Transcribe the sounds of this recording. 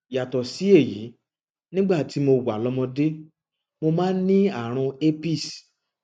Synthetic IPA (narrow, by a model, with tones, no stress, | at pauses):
ja˨tɔ˨si˨˦e˦˨jḭ˨˦ | nĩ˦ɡ͡ba˦˨ti˨˦mo˧wa˨lɔ˨˧mɔ̃˧de˦ | mo˧mãː˦n˦nĩ˦a˦˨ɾ̃ũ˧e˦pi˦˨s